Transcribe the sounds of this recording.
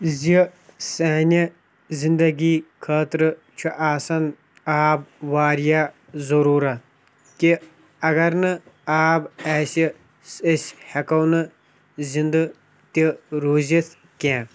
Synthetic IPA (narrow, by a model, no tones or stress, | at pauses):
zisɐːnʲi | zind̪ɐɡiːkʰaːt̪ɾɨ | t͡ʃʰuʔaːsɐn | aːbʋaːɾija | zɐɾuːɾɐ | ki | ɐɡɐɾnɨaːbaːsi | sɐsʲhɐkɐwnɨ | zind̪ɨ | t̪iɾoːzit̪ | kẽː